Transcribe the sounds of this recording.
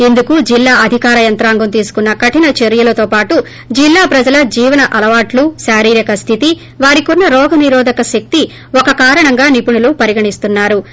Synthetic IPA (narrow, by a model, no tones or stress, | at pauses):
e̞nd̪ukud͡ʒilːaːʔɐd̪ʱikaːɾɐjɐnt̪ɾaːŋɡɐmt̪iːsu̥kunːɐkɐʈinɐt͡ʃeɾjɐlɐt̪oːpaːʈu | d͡ʒilːaːpɾɐd͡ʒɐlɐd͡ʒiːʋɐnɐʔɐlɐʋaːʈluʃaːɾiːɾjɐkɐst̪ʰit̪i | ʋaːɾikonːɐɾɔːɡɐniɾɔːd̪ʱɐkɐʃɐk̚t̪i | ɔkɐkaːɾɐɳɐŋɡaːnipuɳulupɐɾiɡɐɳist̪unːaːɾu